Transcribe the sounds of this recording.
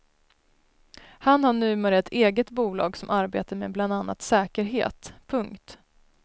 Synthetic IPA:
hanhaɳʉ̟ːmeːɾəɛt̪ʰeːɡət̪buːlɑ̰ːɡsɔmʔaɾbḛːt̪aɾmebland̪anːa̰t̪sɛːkəɾɦḛːt̪pʰɵŋkt̪

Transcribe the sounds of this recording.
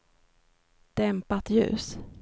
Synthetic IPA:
d̪̥ɛmpat̪jʉ̟̰ːs

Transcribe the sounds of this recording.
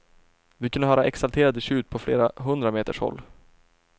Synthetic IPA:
vɪkʰɵnːəɦœːɾaʔɛksalt̪ʰeːɾad̪əɕʉ̟ːt̪̚pʰɔfleːɾaɦɵnd̪ɾameːt̪əʂhɔ̰lː

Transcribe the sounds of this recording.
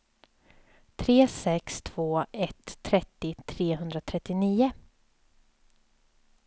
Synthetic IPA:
t̪ʰɾeːsɛkst̪ʰv̥oːɛt̪ʰːɾɛt̪ːɪt̪ʰɾeːɦɵnd̪ɾat̪ʰɾɛt̪ːɪniːʊ

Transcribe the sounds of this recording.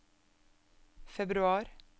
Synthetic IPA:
fɛbɾʉɑːɾ

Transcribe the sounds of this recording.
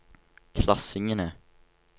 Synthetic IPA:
kʰlasɪŋənɛ

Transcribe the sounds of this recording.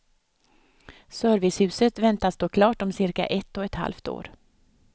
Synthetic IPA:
sœːɾvɪshʉ̟ːsət̪vɛnt̪ast̪oːkʰlɑːʈɔmsɪɾka̰ʔɛt̪ːɔɛt̪ha̰lft̪o̰ːɾ

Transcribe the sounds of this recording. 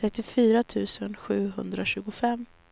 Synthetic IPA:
ɾɛt̪ːɪfyːɾat̪ʰʉ̟ːsənɧʉ̟ːɦɵnd̪ɾaɕʉ̟ːɡʊfɛmː

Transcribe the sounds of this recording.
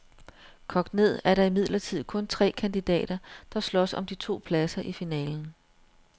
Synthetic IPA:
kʰɒ̽ɡ̥d̥ne̝ð̞̰ˠæɐɾɑ̈imið̰ˠlɐt͡sʰið̞̰ˠkʰɔ̽nt͡sʰʁɛ̰ːkʰænd̥id̥ɛ̰ːɾ̥ɐd̥ɑ̈slɒ̽sɒ̰̽md̥it͡sʰo̝̰ːpʰlæsɐʔifinɛ̰ːln̩

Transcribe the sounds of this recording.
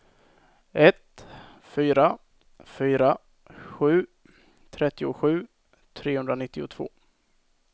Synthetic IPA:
ɛt̪ | fyːɾa | fyːɾa | ɧʉ̟ː | t̪ʰɾɛt̪ːɪʊɧʉ̟ː | t̪ʰɾeːhɵnd̪ɾanɪt̪ːɪʊt̪ʰvo̰ː

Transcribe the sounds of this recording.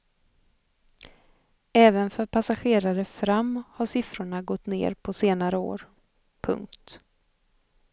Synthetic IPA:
ɛːvənfœɾpʰasaɧeːɾaɾəfɾamːhaʂɪfɾʊɳaɡɔt̪ːnḛːɾpʰɔseːnaɾəo̰ːɾ | pʰɵ̰ŋk̚t̪

